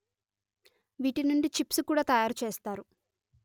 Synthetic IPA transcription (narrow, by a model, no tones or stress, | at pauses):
ʋiːʈinuɳɖit͡ʃipsukuːɽaːt̪ɐjaːɾut͡ʃe̞ːst̪aːɾu